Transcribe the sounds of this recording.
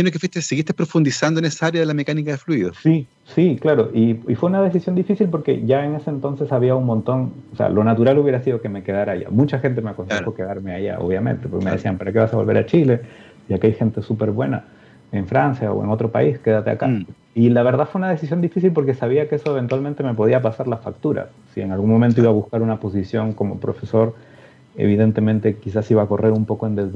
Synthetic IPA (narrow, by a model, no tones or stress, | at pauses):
enokefwist̪eseɣist̪epɾo̞fund̪isand̪oenesaaɾjaðelamekanikaðe̞fluiðosi | siklaɾo̞ʔiifwe̞unaðe̞s̬isjo̞nd̪ifisilpo̞ɾke̞̰ʝaene̞se̞ːnt̪o̞nse̞saβiaunmõ̞nt̪o̞ŋosḛa̰lo̞nat̪uɾaluβje̞ɾasiðo̞ke̞me̞ke̞ð̞aɾaʝa̰mũt͡ʃaxe̞nt̪̬e̞meako̞nsexo̞ke̞ðaɾme̞aʝa̰o̰βjame̞̰nt̪e̞poɾkemeesiampaɾake̞βasaβo̞lβe̞ɾat͡ʃile̞ | jakeajxe̞nt̪e̞supe̞ɾβwe̞na̰ | e̞ɱfɾansjao̰ḛno̞t̪ɾo̞pa̰iske̞ðat̪ea̰ka | ilaβ̞e̞ɾðaðfweunaðe̞sis̬jo̞nd̪ifisilpo̞ɾke̞saβ̞iakeeso̞eβe̞nt̪walmẽ̞nt̪e̞me̞p̬o̞ð̞iapasaɾlafak̚t̪uɾa̰ | sie̞ŋalɣuŋmo̞ment̪oiβaβuskaɾunapo̞s̬isjo̞ŋko̞mo̞̰pɾo̞̰fe̞so̞ɾ | e̞̰β̞iðe̞nt̪e̞mẽnt̪e̞kisasiβako̞re̞ɾumpo̞koend̪ez